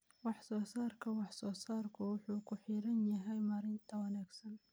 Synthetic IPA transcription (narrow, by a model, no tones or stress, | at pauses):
wɑħsɔːsaːrkʰɐwɑħsɔːsaːrkʰʊwʊħuːkʰʊħiːɾɐnjɐɦɛjmaːɾɪnt̪ʰɐwɐnaːɡsɐn